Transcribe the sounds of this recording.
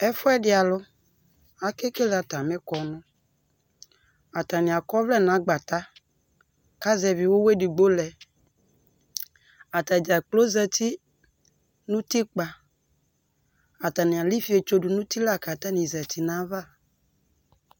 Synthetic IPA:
ɛ˦fʊ˦ɛ˦dɪ˦a˨lʊ˦ | a˨ke˦ke˦la˨ta˨mɪ̃˦kɔ˨nʊ̃˦ | a˨ta˨nɪ̃˨a˨kɔ˦vlɛ˦˨nã˨˦ɡ͡ba˨ta˦ | ka˦zɛ˨vi˨wo˦we˦di˨ɡ͡bo˦lɛ˨ | a˨ta˨d͡ʒa˨k͡plo˦zɛ˨tʰi˦ | nũ˦ti˦k͡pa˨ | a˨ta˨nɪ̃˨a˨li˦fi˦e˨t͡ʃo˨du˨nũ˦ti˦la˦˨ka˨ta˦nĩ˨zɛ˨tʰi˨nã˦va˦˨

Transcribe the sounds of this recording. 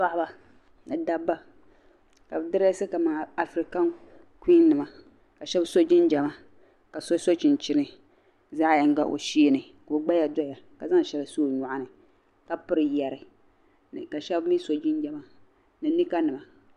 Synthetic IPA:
a˦ʔba˨ | nɨ˨da˦bːa˦ | ka˨bɨ˨˦dɨ˦ɾa˦sɨ˦ka˨maː˨a˨fɾi˨ka˦ŋ | ki˦nɨ˨ma˨ | ka˨ʃɛ˦bso˦d͡ʒɪ˦nd͡ʒɛ˨ma˨ | ka˨so˦so˦t͡ʃɪ˨nt͡ʃɪ˦nɨ˨ | zaː˦ja˨ŋ˦ɡa˦ʔo̰˨ʃi˦nɨ˨ | ka˨˦ɡ͡ba˦ja˨dɔ˦ja˨ka˨za˦ŋ˨ʃɛ˨la˨soː˦˨ɲɔ˨ʔa˦nɨ˨ | ka˨pɨ˦ɾɨ˨jɛ˨ɾɨ˨ | n˨ka˨ʃɛ˦bmi˦so˨d͡ʒɪ˦nd͡ʒɛ˨ma˨ | nɨ˨ni˦ka˦nɨ˨ma˨

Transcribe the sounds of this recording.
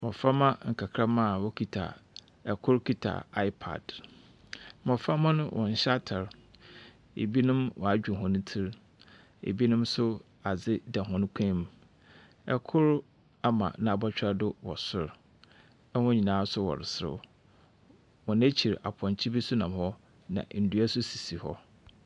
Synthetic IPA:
mɔ˨fa˦mã˦ŋ̩˨kʰa˨kʰɾa˦mã˦˨wɔ˦kʰi˦tʰa̰˨ | ɛ˨kʰʊ˦ɾkʰi˦tʰa̰˨a˦ɪ˦pʰa̰˨d̥ | mɔ̃˨fa˦mã˦nʊ̃˦wʔɔ̰̃˨n̩˨ɕa˦tʰa˨ɾ | ḛ˨bi˦nʊ̃˦mwɔ̰˨a˨d͡ʑᶣu˨ɦʊ̃˨nʊ̃˦tʰi˦ɾ | ḛ˨bi˦nʊ̃˦msʊ˦ | a˨zɪ˦da˨ɦʊ̃˦ñ˦kʷʰɛ̃˦m˦ | ɛ̰˨kʰʊ˦ɾ | a˦mã̰˨nã˨a˨bɔ˦t͡ɕᶣa˦dʊ˦wɔ̰˨sʊ˨ɾ | ɛ˦hɔ̃˦ɲĩ˨nãː˨˦sʊ˦wɔ̰˨ɾɪ˨sɾɪ̰˦ | wɔ̃˨næ˦t͡ɕʰi˨ɾa̰˨pʰɔ̃˨ɲt͡ɕʰi˦bi˦sʊ˦nã˨m˨hɔ˦ | nã̰˨n̩˨du˦æ˦sʊ˦si˨si˨hɔ̰˦

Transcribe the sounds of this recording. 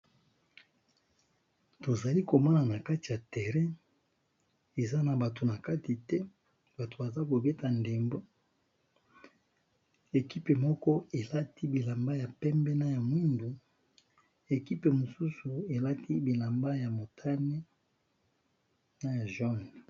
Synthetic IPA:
to˨za˨li˦ko˨mɔ˦na˨na˨ka˦ti˨ja˨tɛ˨ʁɛ̃˦ | e˨za˦na˨ba˨to˨na˨ka˦ti˨tɛ˦ | ba˨to˨ba˨za˦ko˨be˦ta˨nde˨mbo˦ | e˨ki˦pe˨mɔ˦kɔ˦e˨la˦ti˦bi˨la˨mba˦ja˨pɛ˦mbɛ˦na˦ja˨mu˦ndu˨ | e˨ki˦pe˨mo˨su˦su˨e˨la˦ti˦bi˨la˨mba˦ja˨mo˨tʰa˦nɛ˦ | na˦ja˨ʒɔ˦n˨

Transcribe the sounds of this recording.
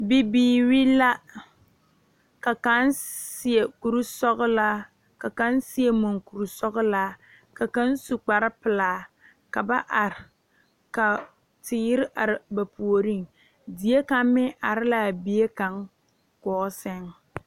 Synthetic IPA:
bi˦biː˨ɾi˦la˦ | ka˨ka˦nsɪ˦e˨ku˨ɾu˦sɔ˦ɣla˦ | ka˨ka˦nsɪ˦e˦mo˨ŋku˨ɾu˨sɔ˦ɣʊ˦la˦ | ka˨ka˦nsu˨k͡pa˨ɾɪ˦pɪ˨laː˦˨ | ka˨ba˦ʔa˨ɾɪ˨ | ka˨ | tɪ˨jɪ˦ɾɪ˦ʔa˨ɾɪ˨ba˨pu˨o˨ɾi˦˨ŋ | di˨e˦ka˦mmɪ˦ʔa˨ɾɪ˦la˦˨bi˦e˦ka˨ŋ | kɔː˨˦sɛ˦ŋ

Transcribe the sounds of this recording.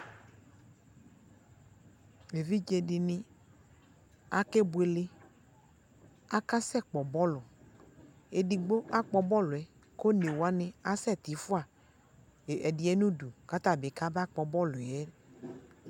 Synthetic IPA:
e˨vi˦d͡ʒe˨dɪ˨nɪ̃˦ | a˦ke˦bʊ˨e˨le˦ | a˦ka˦sɛ˦˨k͡pɔ˨bɔ˦lʊ˨ | e˨di˨ɡ͡bo˦ʔa˦k͡pɔ˨bɔ˦lʊ˨ɛ˨ | ko˦ne˨wo˨a˦nɪ̃˦a˦sɛ˦˨t̪i˨fʊ˦a˨ | ɛ˨dɪ˨ɛ˦nũ˦du˨ka˦t̪a˦˨be˨ka˦ba˦k͡pɔ˨bɔ˦lʊ˨ɛ˦

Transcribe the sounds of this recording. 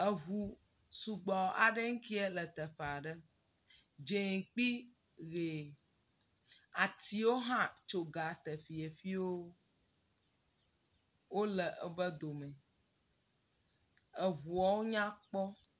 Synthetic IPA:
ə˨ɦu˨ | su˨ɡ͡bɔ˨wo˨ʔa˨ɖə˦ŋ̩˦ki˦ɛ˦lə˨t̪ə˨ɸe˨a˨ɖə˦ | d͡ʒe˨k͡pi˦ | ɣe˨ | a˨t̪i˦wo˦ɦã˦t͡ʃo˨ɡa˨t̪ə˨fi˨e˨fi˦wo˦ | wo˦lə˨ʔə˨bə˦d̪o˨mɛ̃˨ | ə˨ɦu˨ɔ˨wo˦ɲã˦k͡pɔ˦

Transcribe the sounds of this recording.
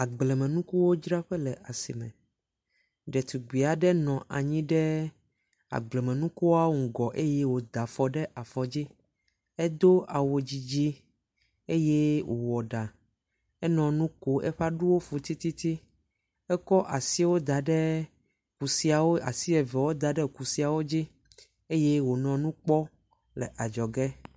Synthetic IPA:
a˨ɡ͡blɛ˨mɛ̃˨nũ˦ku˦wo˦d͡ʒɾa˦ɸɛ˦lɛ˨ʔa˨sḭ˨mɛ̰̃˨ | ɖɛ˨t̪u˨ɡ͡bi˨a˨ɖɛ˦nɔ̃˨ʔa̰˨ɲĩ˦ɖɛ˦ | a̰˨ɡ͡blɛ˨mɛ̃˨nũ˦ku˦wa˦wo˦ŋ̩˨ɡɔ˨ʔe˦jɛ˦wo˨d̪a˨fɔ˨ɖɛ˦ʔa˨fɔ˨d͡ʑi˦ | ɛ˦d̪o˦a˨wo˨d͡ʑi˦d͡ʑi˦ | e˦jɛ˦wʔo̰˨wɔ˨ɖa˨ | ɛ˦nɔ̃˨nũ˦ko˨ʔḛ˦ɸa˦ɖu˦wo˦fo˨t̪i˦t̪i˦t̪i˦ | ɛ˦kɔ˦ʔa˨si˦wo˦d̪a˨ɖɛ˦ | ku˨si˦a˨wo˦a̰˨si˦ɛ˨vɛ˨wo˦d̪a˨ɖɛ˦ku˨si˦a˨wo˦d͡ʑi˦ | e˦je˦wo˨nɔ̃˨nũ˦k͡pɔ˦ | lɛ̰˨ʔa˨d͡ʒɔ˨ɡɛ˦

